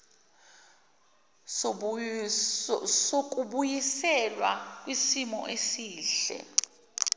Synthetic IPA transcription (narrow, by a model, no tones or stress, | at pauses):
sok̬ʼuɓujisɛlwakʼwisimɔ̰ʔesiːɬɛ̰